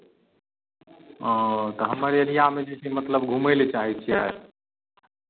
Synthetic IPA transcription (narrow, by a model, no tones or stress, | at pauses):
t̪əɦəmːəɾjədijamed͡ʒet͡ʃʰemət̪ləbɡʱumelet͡ʃaɦɛt͡ʃʰia̰e